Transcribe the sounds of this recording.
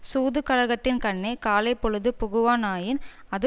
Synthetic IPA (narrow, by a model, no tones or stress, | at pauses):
suːðɯkɐɻɐɣɐt̪ːɪnkɐɳːɐɪkaːlɐɪpːɔɻɯðɯpʊɣɯʋaːnaːjɪn | ɐðɯ